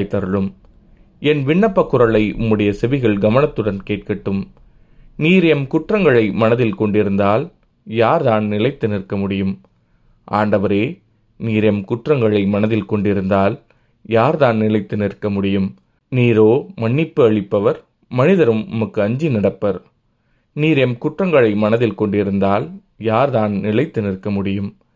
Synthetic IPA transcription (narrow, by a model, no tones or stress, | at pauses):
ɪt̪ːɐɾɯɭɯm | ɛnʋɪɳːɐpːɐkːʊɾɐɭɐɪʔʊ̰mːɯɽɐjɐsɛʋɪɣɐɭɡɐmɐnɐt̪ːɯɽɐnkeːʈ̚kɐʈːɯm | niːɾɪjɐmkʊʈrɐŋɡɐɭɐɪmɐnɐðɪlkɔɳɖɪɾɯnd̪aːl | jaːɾðaːnnɪlɐɪt̪ːɯnɪɾkːɐmʊɽɪjɯm | ʔa̰ːɳɖɐʋɐɾeː | niːɾɪjɐmkʊʈrɐŋɡɐɭɐɪmɐnɐðɪlkɔɳɖɪɾɯnd̪aːl | jaːɾðaːnnɪlɐɪt̪ːɯnɪrkːɐmʊɽɪjɯm | niːɾoːmɐɳːɪpːɯɐɭɪpːɐʋɐɾ | mɐnɪðɐɾɯmɐmɯkːɯɐɲd͡ʒinɐɽɐpːɐɾ | niːɾɛmkʊʈrɐŋɡɐɭɐɪmɐnɐðɪlkɔɳɖɪɾɯnd̪aːl | jaːɾðaːnnɪlɐɪt̪ːɯnɪɾkːɐmʊɽɪjɯm